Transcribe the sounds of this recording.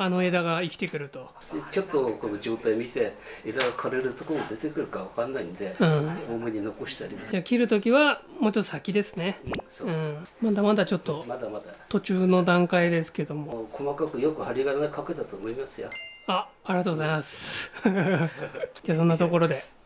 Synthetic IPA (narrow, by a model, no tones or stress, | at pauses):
ano̞e̞d̪aɡaikʲi̥t̪e̞kɯ̟ɾɯ̟t̪o̞ | t͡ɕo̞t̪ːoko̞no̞d͡ʑo̞ːt̪aimʲit̪e̞ | ed̪aɡakʰaɾe̞ɾɯ̟t̪okomod̪et̪e̞kɯ̟ɾɯ̟kaβakanːaind̪e̞ɯ̟̃ɴoːmoɲ̟ino̞ko̞ɕi̥t̪aɾʲimad͡ʑaːkʲiɾɯ̟t̪o̞kʲiβamo̞ːt͡ɕo̞t̪ːosakʲid̪e̞sɨ̥ne̞ɯ̟̃mad̪amad̪at͡ɕo̞t̪ːo̞mad̪amad̪at̪o̞t͡ɕɨːno̞d̪ãŋkaid̪e̞sɨ̥ke̞d̪o̞mo̞kʰo̞makakɯ̟jo̞kɯ̟haɾʲiɡanakaket̪at̪oːmo̞imasɨja̰aː | ɾʲiat̪oɡozaimasɨ̥ | d͡ʑaːsõ̞nːat̪o̞ko̞ɾo̞d̪e̞